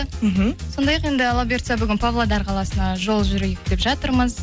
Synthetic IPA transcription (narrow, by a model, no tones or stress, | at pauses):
m̩ɦm̩so̞nd̪ɑjɑqe̞nd̪ɪlˠabʲert̪sabʏɡʲɪnpʰavlˠod̪ɑɾqʰɑlˠɑsənɑʒo̞lˠʒʏɾɪjɪkʲɪt̪e̞pʒɑt̪əɾməz